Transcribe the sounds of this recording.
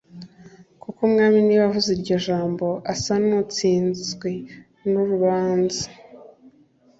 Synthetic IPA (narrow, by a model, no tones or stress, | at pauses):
kukomŋaːminiβavuziɾɟo̞ʒaːmbo̞ʔasanut͡siːnzzɡwe | nuɾuβaːnzḁ